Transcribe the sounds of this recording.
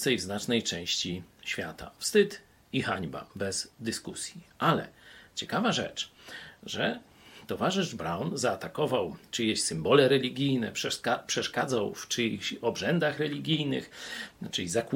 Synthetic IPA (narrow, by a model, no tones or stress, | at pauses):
sɛjvznat͡ʂnɛjt͡ʂɛ̃w̃ɕt͡ɕiɕfʲjat̪a̰fst̪ɘt̪ | ixaɲba̰bɛzd̪ɘskusʲjiʔalɛ̰t͡ɕɛkavaʐɛ̰t͡ʂʐɛ | t̪ɔvaʐɘʐbɾawnzaːt̪akɔvawt͡ʂɨjɛɕsɘmbɔlɛɾɛlʲiɡʲijnɛpʂɛapʂɛʂkad̪zawt͡ʂɘɔbʐɛnd̪axɾɛlʲiɡʲijnɘ̰xt͡ʂɘizak